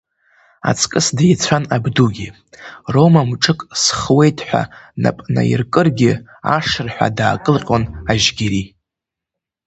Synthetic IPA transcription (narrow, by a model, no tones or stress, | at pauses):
a̰t͡sʰʼkʼɨsdajt͡sʷʰanabduɡʲi | romamʈ͡ʂʰʼɨkʼsχwe̞jtʰʼħʷᶣa̰na̰pʼna̰ḭrkʼɨrɡʲɪ | aʂɨrħʷᶣa̰daːkʼɨlqʲʼonaʒɡʲiɾi